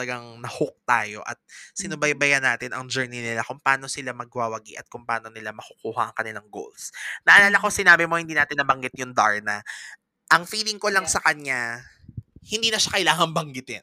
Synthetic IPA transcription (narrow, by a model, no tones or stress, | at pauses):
ɐlɐɡaŋnɐhok̚t̪aːjo̞̰ʔɐ̰t̪̚sɪnʊbɐjbɐjanːaːt̪ɪnʔɐŋd͡ʒɛɹninɪlakʊŋpaːno̞sɪlamɐɡ̚waːwɐɡḭʔɐt̪̚kʊŋpaːno̞nɪlamɐkʊ̥kuːhɐʔɐŋkɐnɪlaŋɡo̰lsnɐʔɐlaːlɐkosɪnaːbɪmo̞hɪnd̪iːnaːt̪ɪnːɐbɐŋɡɪt̪̚jʊŋd̪aɹnɐ | ʔɐŋfiːlɪŋko̞laŋsɐkɐɲa | hɪnd̪iːnɐʃakɐjlaːŋɐŋbɐŋɡɪt̪ɛn